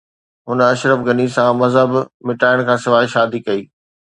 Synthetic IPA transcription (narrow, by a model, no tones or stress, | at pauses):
ɦʊnəɐʃɾəfɡɐnisãmɐzɦəbmɪʈaːɪɽ̃kʰãːsɪʋaːɪʃaːd̪ikɐiː